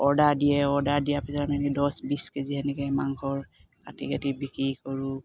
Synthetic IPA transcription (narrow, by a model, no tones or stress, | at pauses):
ɔdadijɛɔɹdadijapɛzaamanidɔsbiskeziɦɛnikɛmaŋkʰɔɹ | katḭɡatibikɹikɔɹu